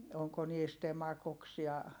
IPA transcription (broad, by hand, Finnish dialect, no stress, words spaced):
oŋko niːst emɑkoks jɑ